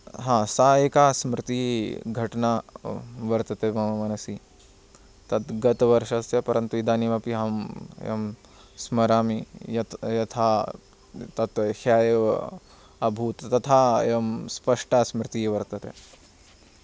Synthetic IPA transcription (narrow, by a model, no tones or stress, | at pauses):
ɦãːsaːeːkaːsmɾɪt̪iɡʱɐʈna | ʋɐɾt̪ɐt̪emɐmɐmɐnɐsi | t̪ɐt̪ɡɐt̪ʋɐɾʃɐsjɐpɐɾɐnt̪uid̪aːniʋɐpiɦɐmjɐ̰m | smɐɾaːmijɐt̪jɐt̪ʰaː | t̪ɐt̪haːj | ɐbʱuːt̪ːɐt̪ʰaːjɐmspɐʂʈasmɾɪt̪iʋɐɾt̪ɐt̪e